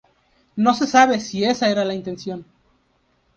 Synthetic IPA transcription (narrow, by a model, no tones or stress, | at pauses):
no̞se̞saβe̞sie̞sae̞ɾalaint̪e̞nsjo̞n